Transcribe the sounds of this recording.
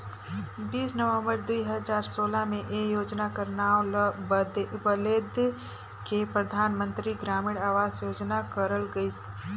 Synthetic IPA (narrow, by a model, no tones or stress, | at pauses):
biːsnəʋə̃mbəɾd̪uiɦəzaːɾsoːlamẽʔejoːd͡ʒnakəɾnaːo | bəleːd̪ | kepɾəd̪ʱaːnmə̃nt̪ɾiɡɾaːmiːɽaːʋaːzjoːd͡ʒnakəɾəlɡəis